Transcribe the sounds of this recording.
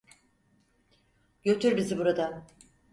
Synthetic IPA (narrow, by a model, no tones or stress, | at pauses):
ɟø̞t̪ʰyɾbizibuɾad̪a